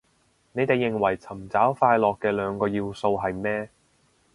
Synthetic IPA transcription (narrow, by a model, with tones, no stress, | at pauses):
ne˨˧jt̪e˨jːɪ˨ŋwɐ˨˩jt͡sʰɐ˨˩mt͡saː˨˥wfaː˧jlɔː˨kːɛː˧lœː˨˧ŋkɔː˧jiː˧wso˧wɦɐ˨jmɛː˥